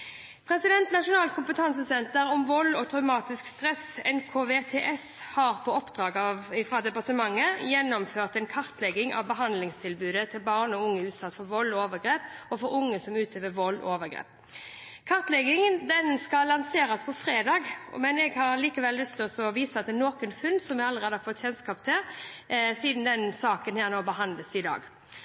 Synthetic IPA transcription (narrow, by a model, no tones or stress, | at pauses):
pʰʁɛsɪd̪ɛnt̪nɑʂʊnɑːlkʰʊmpət̪ʰɑnsəsɛnt̪əɾɔmʋɔlɔt̪ʰʁɑʉmɑːt̪ɪskst̪ʁɛsɛnkʰoːʋeːt̪ʰeːʔɛs | hɑːʁpʰɔɔpd̪̥ʁɑːɡɑʋɪfʁɑd̪ɛpɑʁt̪əmɑŋːəjɛnːɔmføːʁt̪ɛnkʰɑʁt̪lɛɡɪŋʔɑ̰ʋbəɦɑnd̪lɪŋst̪ʰɪlbʉːd̪ət̪ʰɪlbɑːʁnɔʊŋːəʉːt̪sɑt̪ːfɔʁʋɔlːoːʋəɡʁeːpɔfɔɾʊŋːəsɔmʉːt̪ʰøʋəʋɔlːʔoːʋəɡɾḛːp̚ | kʰɑʁt̪lɛɡɪŋənd̪ɛnskɑlːɑnseːɾɑspʰɔfɾeːd̪ɑːɡmɛnɛɡhɑɾliːkəʋɛlːʉst̪ʰɪlɔsɔʋiːsɑt̪d̪ɛːnoːkənfʉnd̪sɔmɛɡɑlːəɾeːd̪əhɑfɔt̪ːçɛnskɑːpt̪ʰɪl | siːd̪n̩d̪ɛnsɑːkənhæːʁnoːbəɦɑnd̪ləsɪd̪ɑ̰ːɡ